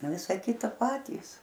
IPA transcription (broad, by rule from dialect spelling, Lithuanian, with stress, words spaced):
ˈʋʲɪsɐ ˈkʲɪtɐ ˈpɑːtʲiːs